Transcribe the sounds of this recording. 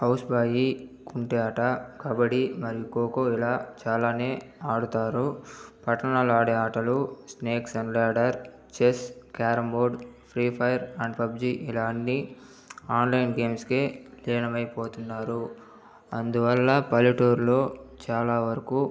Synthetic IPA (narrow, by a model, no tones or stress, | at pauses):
hɐwsbaːjikuɳʈɛːɐʈɐkɐbɐɽimɐɾiukoːkoːilaːt͡ʃaːlaːne̞ːaːɽut̪aːɾupɐʈːɐnɐlaːɽeaːʈɐlusneːksɐnɾaːɽɐɾ | t͡ʃeskaːɾɐmboːɖpʰɾiːpʰɐjɐɾɐɳɖpɐb̚d͡ʒiʔilaːɳʈi | aːnlɐjnɡe̞ːmskeːleːnɐmɐjpoːt̪unːaːɾu | ɐnd̪uʋɐlːɐpɐliʈoːɾloːt͡ʃaːlaːʋɐɾɐku